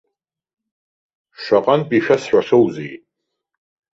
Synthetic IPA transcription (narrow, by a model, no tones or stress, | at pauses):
ʃʷaqʼanpʼiʃᶣasħʷaʂowzij